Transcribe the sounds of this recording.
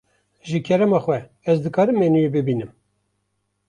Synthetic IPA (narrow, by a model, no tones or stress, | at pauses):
ʒɨkʰɛɾɛmɑːxwɛ | ɛzd̪ɨkɑːɾɨmːeːnujebɨbiːnɨm